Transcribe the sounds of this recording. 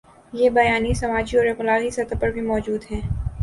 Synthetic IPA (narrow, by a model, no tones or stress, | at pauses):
jeːbɐjaːnisɐmaːd͡ʒiɔːɾeklaːɣisɐt̪apɐɾbʱimɔːd͡ʒuːd̪ɦɛ̃ː